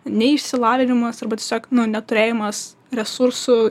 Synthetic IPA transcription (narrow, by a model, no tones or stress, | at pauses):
nʲɛɪʃʲsʲɪlˠɑːʋʲɪnʲɪmɐsɐrbɐt̪ʲɛsʲoːknʊnʲɛt̪ʊɾʲeːjɪmɐs | ɾʲɛsuɾsʊ